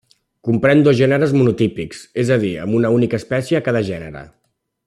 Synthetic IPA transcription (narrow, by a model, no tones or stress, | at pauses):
kumpɾɛnd̪ozʒɛnəɾəzmunut̪ipiksezəð̞iə̰munəunikəːspɛsjəːkaðəʒɛnə̰ɾə̰